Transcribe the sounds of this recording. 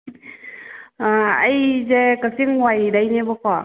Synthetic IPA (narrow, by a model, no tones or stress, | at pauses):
ajzekasiŋwajdajnebɔkɔ